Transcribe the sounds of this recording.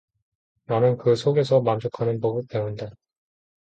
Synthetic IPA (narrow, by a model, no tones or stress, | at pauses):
nanɯnkɯsʰoɡe̞sʰʌmamd͡ʑɯkʰanɯnpoɡɯpe̞unda